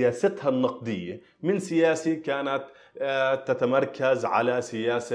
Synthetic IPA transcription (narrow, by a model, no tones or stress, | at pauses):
jaːsat̪hanːɑq̚d̪ˤɪjːa | mɪnsɪjaːsikaːnat̪ | t̪ːat̪amɑɾˤkʰazʕa̰lasɪjaːsa